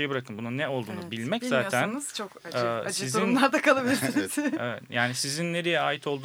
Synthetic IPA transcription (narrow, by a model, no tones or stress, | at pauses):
ejɛbiɾakʰɯnbununːɛo̞lˠd̪uːnubilʲmɛczaːænt͡ʃʰokːsiziɾunmlˠaɾd̪akʰalˠabilʲizevɛ̰t̪jaːnisizinːeɾijɛaːjit̪ʰo̞lˠd̪uː